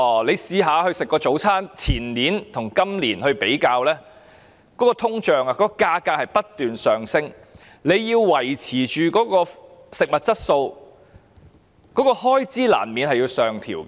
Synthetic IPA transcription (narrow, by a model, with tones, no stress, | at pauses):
le˨˧jsiː˨˧ɦaː˨˧hɵ˧ɥsɪ˨kːɔː˧t͡so˨˥wt͡sʰaː˥nt͡sʰiː˨˩nliː˨˥nt̪ʰʊ˨˩ŋkɐ˥mliː˨˩nhɵ˧ɥpe˨˥jkaː˧wlɛː˥ | kɔː˨˥kɔː˧t̪ʰʊ˥ŋt͡ʃœː˨˩ŋa˧kɔː˨˥kɔː˧kaː˧kaː˧k̚hɐ˨jpɐ˥t̚t̪yː˨nsœː˨ŋsɪ˥ŋ | le˨˧jːiː˧wːɐ˨˩jt͡sʰiː˨˩t͡ʃyː˨kɔː˨˥kɔː˧sɪ˨k̚mɐ˨t̚t͡sɐ˥t̚so˧w | kɔː˨˥kɔː˧hɔː˥jt͡siː˥la̰ː˨˩nmiː˨˧nhɐ˨jiː˧wsœː˨ŋt̪ʰḭː˨˩wk